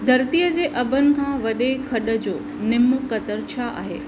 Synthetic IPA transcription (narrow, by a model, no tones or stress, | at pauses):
d̪ʱɐɾt̪ijəd͡ʑeːʔɐbʱənɪ̆kʰãːʋɐɗekʰɐɗə̆d͡ʑoː | nɪmʊkɐt̪əɾt͡ɕʰaa̰ːɦḛː